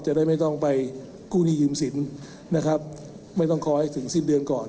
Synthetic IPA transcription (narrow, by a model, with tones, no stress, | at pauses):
t͡ɕa˨˩ʔdaː˥˩jma˥˩jt̪ɔ˥˩ŋpa˧j | kuː˥˩niː˧˩jɯː˧msi˩˦n | na˦˥kʰa˦˥p̚ | ma˥˩jt̪ɔ˥˩ŋkʰɔː˧ha˥˩jt̪ʰɯ˩˦ŋsiː˥˩p̚dɯ˧ənkɔː˨˩n